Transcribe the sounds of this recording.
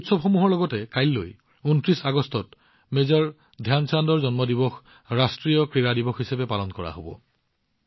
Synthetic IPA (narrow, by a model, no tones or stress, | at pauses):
utsɔbxɔmuɦɔɹlɔɡɔtɛkajlːo̰j | untɹisaɡɔstɔt | mezɔɹ | dʱjansandɔɹzɔnmɔdibɔx | ɹastɹijɔkɹiɹadibɔxɦisɛbɛpalɔnkɔɹa̰ɦobɔ̰